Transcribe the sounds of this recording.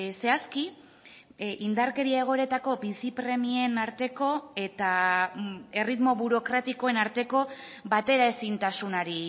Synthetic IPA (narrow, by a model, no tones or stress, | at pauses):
se̞aski | ind̪aɾke̞ɾiae̞ɣ̞o̞eɾe̞t̪ako̞bisipɾe̞mie̞naɾt̪e̞ko̞e̞t̪a | e̞rit̪mo̞βuɾo̞kɾat̪iko̞e̞naɾt̪e̞ko̞ | βat̪e̞ɾae̞sint̪asunaɾi